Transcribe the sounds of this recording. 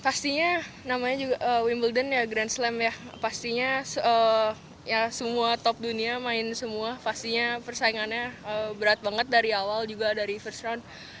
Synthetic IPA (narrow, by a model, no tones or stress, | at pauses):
fast̪iɲa | namaɲad͡ʒuɡaʔəwimbəldənjaɡɾanslɛmjapast̪iɲasə | jasəmuat̪ɔp̚duniamaɪnsəmuafast̪iɲapərsaiŋanɲaəbəɾat̪̚baŋət̪̚daɾiawald͡ʒuɡadaɾifərsɾan